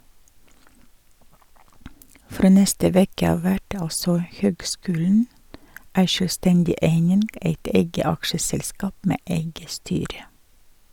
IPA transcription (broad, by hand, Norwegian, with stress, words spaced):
ˈfɾoː ˈnɛstə ˈʋeːkə ˈɑːʋ ˈʋæʈ ˈɑlsɔ ˈhøːɡˌskʉːln̩ ˈæɪ ʃøːlˈstɛndɪ ˈeɪnɪn ˈeɪt ˈeɪɡə ˈɑkʃəˌsɛlˌskɑːp ˈmeː ˈʔeɪɡə ˈstyːɾə